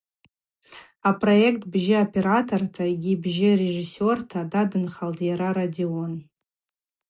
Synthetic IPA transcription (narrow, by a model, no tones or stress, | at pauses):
apʰʼro̞ektʰbʒɪopʰe̞ɾatʰortʰaɡʲibʒɪre̞ʐisortʰadadɨnχaltʰʼjaɾaɾadeon